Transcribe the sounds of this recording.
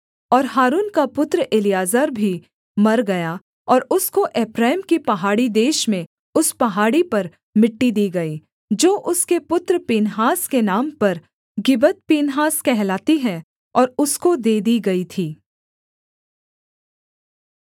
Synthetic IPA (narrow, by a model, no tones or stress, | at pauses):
ɔːɾɦaːɾuːnkapʊt̪ɾʔɪlijaːzəːɾbʱi | mɐɾɡɐja | ɔːɾʊskoʔɛːpɾaːɪmkipɐɦaːɽid̪eːʃmẽ | ʊspɐɦaːɽipɐɾ | mɪʈːid̪iːɡɐiː | d͡ʒoːʔʊskepʊt̪ɾpiːnɦaːskenaːmpɐɾ | ɡɪbət̪̚piːnɦaːskɛɦlaːt̪iɦɛ̃ | ɔːɾʊskod̪eːd̪iɡɐit̪ʰiː